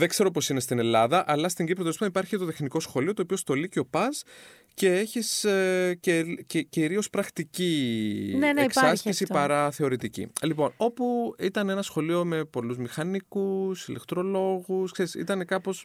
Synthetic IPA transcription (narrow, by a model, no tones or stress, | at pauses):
ðeɡse̞ɾo̞po̞sine̞st̪ine̞lɐðɐʔɐlɐst̪iɲɡipɾot̪ospt̪ɐnipɐɾçiet̪o̞t̪e̞xniko̞sxo̞lio̞t̪oːpio̞st̪o̞liceopɐz | ce̞eçiscececiɾio̞spɾɐxt̪icineksɐsçisipɐɾɐθe̞o̞ɾit̪icḭlipo̞no̞puit̪ɐne̞nɐsxo̞lio̞me̞po̞luzmixɐnikusilekt̪ɾo̞lo̞ɣuskseɾisḭt̪ɐne̞kɐpo̞s